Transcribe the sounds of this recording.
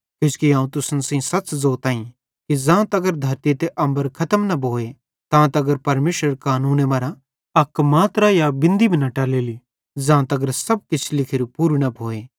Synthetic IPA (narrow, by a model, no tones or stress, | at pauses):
kõskiãːũt̪ʊsənsĩsɐt͡ʃzoːt̪aːĩ | kid͡zãːt̪ɐɡəɾd̪ʱɐɾt̪it̪eʔɐ̃mbəɾkʰɐt̪əmnɐbʱoːe | t̪ãːt̪ɐɡəɾpɐɾmeːʃɾəɾkaːnuːnemaːɾa | ɐkːmaːt̪ɾajabɪ̃nd̪ibʱinɐʈaːleːli | zãːt̪ɐɡəɾsɐb̚kɪt͡ʃʰlɪkʰɪɾupuɾnɐbʱoːe